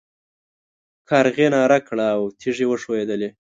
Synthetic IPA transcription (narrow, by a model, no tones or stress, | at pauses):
kʰɑɾɣenɑɾakɽaːwt̪ʰiʐewəʂoed̪əle